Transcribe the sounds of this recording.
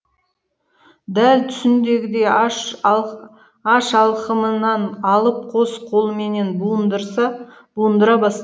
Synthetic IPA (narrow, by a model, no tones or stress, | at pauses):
d̪ælt̪ʰʏ̥sɪnd̪e̞ɡʲɪd̪e̞ | ɑʃɑlˠqəmənɑɴɑlˠəp̚qʰo̞sqʰo̞lˠme̞ne̞nbuənd̪əɾsɑ | b̥uənd̪əɾɑbɑst̪